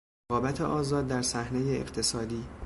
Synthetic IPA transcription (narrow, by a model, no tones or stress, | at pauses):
ɒːbæt̪ʰeʔɒːzɒːd̪̚ːæɾsæhnejeḛɡt̪ʰe̞sɒːd̪iː